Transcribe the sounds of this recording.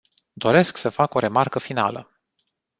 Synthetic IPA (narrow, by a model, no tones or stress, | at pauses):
d̪o̞ɾe̞sksəfako̞ɾe̞markəfina̰lə̰